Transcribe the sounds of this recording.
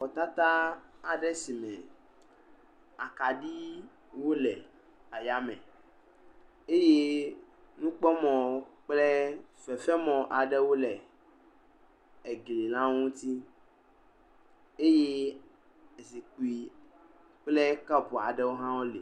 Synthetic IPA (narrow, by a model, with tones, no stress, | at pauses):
ɔ˨t̪a˦t̪a˦a˨ɖɛ˦si˨mɛ̃˨ | a˨ka˨ɖi˦ | wo˦lɛ˨ | a˨ja˨mɛ̰̃˨ | e˦je˦ | nũ˦k͡pɔ˦mɔ̃˨˦k͡plɛ˦fɛ˨fɛ˦mɔ̃˨ʔa˨ɖɛ˦wo˦lɛ˨ | ɛ˨ɡle˨lã˦ŋũ˦t̪i˦ | e˦je˦ | e˨si˨k͡pu˨i˨ | k͡plɛ˦ka˦po˨a̰˨ɖɛ˦wo˦ɦã˦wo˦lḛ˨